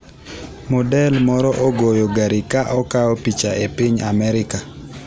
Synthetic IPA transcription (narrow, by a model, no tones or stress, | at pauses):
mɔdɛlmɔɾɔʔoɡojoɡaɾɪkaʔɔkaɔpit͡ʃaʔepɪɲamɛɾɪka